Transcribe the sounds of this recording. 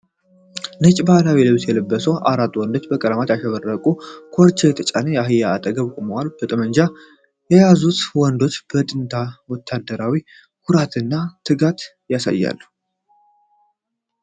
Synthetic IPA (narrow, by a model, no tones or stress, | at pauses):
nɨt͡ʃʼbalawilɨβt̪ʰjɛlɨbːəsəwʔa̰ɾat̪ʼːwɔnd̪o̞t͡ʃːbəkʼəɾəmat̪jaʃɛβərːəkʼukʰoɾt͡ʃʰʼejɛt̪ʰət͡ʃʼanəjɛaɦɨjːaːt̪ʼəɡəβkʼoməwalb̥ət̪ʼəməɲd͡ʒa | jɛjazut̪wɔnd̪o̞t͡ʃb̥ət̪ʼɨnt̪ʰawɔt̪ʰːad̪ːəɾawi | kʰuɾat̪ʰɨnːat̪ʰɨɡat̪ | jasa̰jːa̰lːu